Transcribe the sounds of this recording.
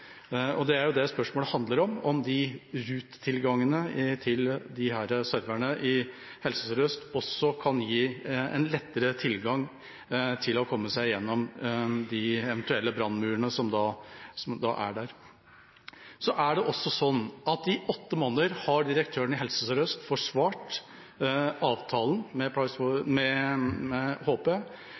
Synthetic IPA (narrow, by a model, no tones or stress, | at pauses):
ɔd̪ɛæɾjʊd̪ɛspœʂmoːləhɑnd̪ləɾɔmɔmd̪ɪɾʉːt̪ʰːɪlɡɑŋːənət̪ʰɪld̪ɪɦæːɾəsœɾʋæɳəʔɪ | hɛlsəsəɾœst̪ɔsːɔkʰɑnjiːɛ̰nlɛt̪ːəɾət̪ʰɪlɡɑŋ | t̪ʰɪlɔkʰɔmːəsæɪjɛnːɔmd̪ɪɛʋənt̪ʉɛlːəbɾɑnːmʉːəɳəsɔmd̪ɑsɔmd̪ɑ̰ʔæ̰ɖæɾ | sɔʔæɖɛʔɔsːɔsɔnːɑt̪ɪʔɔt̪ːəmoːnəəɾhɑɖɪɾək̚t̪ʰøːəɳɪɦɛlsəsəɾœst̪fɔʂʋɑːʈ | ɑːʋt̪ʰɑːlnmɛpʰɑsfɔmɛɛhoːpeː